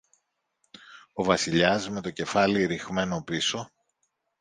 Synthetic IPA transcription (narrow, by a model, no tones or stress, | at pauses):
ovɐsiʎɐzme̞t̪o̞ce̞fɐliɾixme̞no̞piso̞